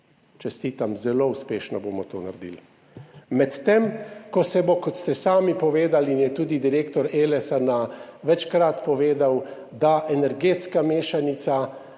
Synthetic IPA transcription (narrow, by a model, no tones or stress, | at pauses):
t͡ʃɛst̪iːt̪amzɛloːuspeːʃnɔboːmɔt̪oːna̰ɾd̪ḭl | mɛt̪ːemkɔsɛbokɔt̪st̪ɛsaːmipɔʋeːd̪alinjɛt̪uːd̪id̪iɾeːkt̪ɔɾeːlɛsanaʋɛt͡ʃkɾat̪pɔʋeːd̪aw | d̪aʔɛnɛɾɡeːt̪skameːʃanit̪sa